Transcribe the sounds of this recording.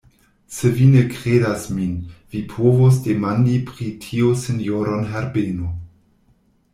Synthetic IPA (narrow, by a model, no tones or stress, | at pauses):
sevinekɾedasminvipʰovos̬demandipɾitʰiosenjoɾonɦɛɾbeno